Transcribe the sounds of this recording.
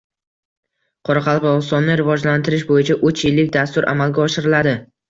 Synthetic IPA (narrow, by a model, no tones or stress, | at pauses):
qʰɒɾɑqʰɑlˠqɪɒsɒnːɪɾɪvɒd͡ʒlant̪ʰɪɾɪʃbojɪt͡ʃʰaʔɵt͡ʃʰjɪlːɪkʲd̪ast̪ʊɾʔa̰malɡʲaɒʃɪɾɪlad̪ɪ